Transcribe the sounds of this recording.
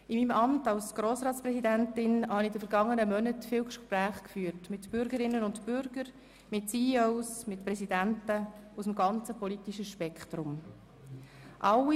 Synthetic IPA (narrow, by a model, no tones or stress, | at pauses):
ɪmiːmɑmtɑlsɡ̥ɾoːsɾɑːtt͡spɾɛsidæntɪnhɑnɪdəfəɾɡɑŋːənəmœnətfiːwkʃpɾæːχkfyːəɾtmɪtb̥ʏɾɡəɾɪnːənʊntbʏɾɡ̥əɾ | mɪtsiːoʊsmɪtpɾɛsidæntəusmɡɑnt͡səpɔlitiʃəʃpɛkχt̪ɾʊm | ʔɑwi